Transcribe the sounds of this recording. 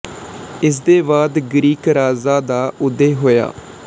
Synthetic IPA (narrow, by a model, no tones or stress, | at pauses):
ɪs̬d̪eːbaːd̪ɡɾiːkɾaːzaːd̪aːʔʊd̪ːeːɦoːja̰ː